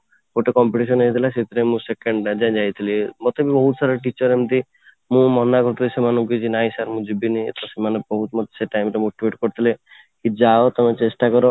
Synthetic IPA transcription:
koʈekɔmpiʈis̬ɔneit̪ʰilaset̪ʰiɾemũsekeɳɖad͡ʒãd͡ʒajt̪ʰilimɔt̪ebibɔɦut̪saɾɔʈit͡ʃɔɾemt̪i | mũmɔnakɔɾt̪ʰilesemanɔ̃mkit͡ʃinajsaɾmũd͡ʒibiniḛt̪ʰasemanebɔɦut̪mɔt̪ːseʈajmʈemũʈwiʈkɔɾt̪ʰile | kid͡ʒaot̪ɔmet͡ʃesʈakɔɾɔ

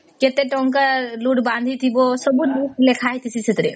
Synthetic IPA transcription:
ket̪eʈɔŋkaluʈbãnd̪ʱit̪ʰibosəbuluʈlekʰaɦjt̪isiset̪ɾḛ

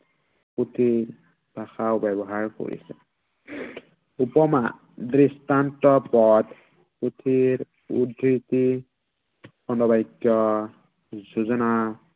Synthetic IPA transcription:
kut̪ʰiɹ | bʱaxawbɛbɔɦaɹko̰ɹḭsɛ̰ | upɔma | dɾistantɔpɔd̪ | put̪ʰiɹ | ṵdɾit̪i | bɔnɔbajkjɔ | zuzɔna

